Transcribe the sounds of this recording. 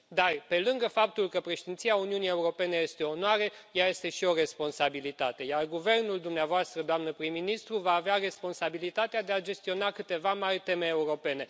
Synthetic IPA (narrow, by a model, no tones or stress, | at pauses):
d̪arpe̞lɨŋɡəfap̚t̪ulkəpɾe̞ʃed̪int̪siauniunie̞uɾo̞pe̞ne̞je̞st̪e̞onwaɾejaje̞st̪e̞ʃio̞re̞spo̞nsabilit̪at̪e̞jarɡuve̞rnuld̪umneavoast̪ɾəd̪oamnəpɾimːinist̪ɾuvaːveare̞spo̞nsabilit̪at̪ead̪e̞ad͡ʒe̞st̪io̞nakɨt̪e̞vamarʲt̪e̞me̞ːuɾo̞pe̞ne̞